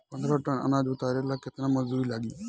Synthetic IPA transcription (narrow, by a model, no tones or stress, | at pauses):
pənd̪ɾəːʈənə̰naːd͡ʒʊt̪aːɾeːlaːkɪt̪nãːməzd̪uːilaːɡiː